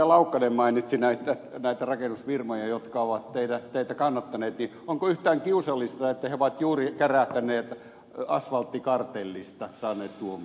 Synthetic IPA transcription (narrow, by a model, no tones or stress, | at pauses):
ɑlɑukːɑnemmɑinit̪sinæit̪ːænæit̪ærɑkenusfirmojɑjot̪kɑoʋɑt̪t̪eidæt̪eit̪ækɑnːɑt̪ːɑneːt̪ni | oŋkoyht̪æːŋkiusɑlːist̪ɑet̪ːæheoʋɑt̪juːrikeræht̪ænˑeːt̪ | ɑ̰sʋɑlt̪ːikɑrt̪elːist̪ɑsɑːneːt̪t̪uom